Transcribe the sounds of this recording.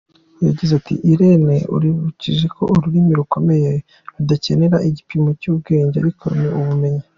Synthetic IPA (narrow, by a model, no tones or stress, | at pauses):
jaɟizatʰḭʔiɾeneṵɾiβuciʒe̞kʰo̞̰uɾuɾimiɾuko̞me̞je | udace̞ne̞ɾaʔiɟipimo̞cuːb̚ɡe̞ːɲɟea̰ɾikʰo̞̰niuβume̞ɲi